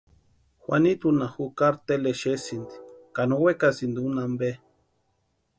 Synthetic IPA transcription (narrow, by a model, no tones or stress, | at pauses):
xwanit̪unaxukaɾt̪eleʃesind̪i̥kanowekasind̪iunambe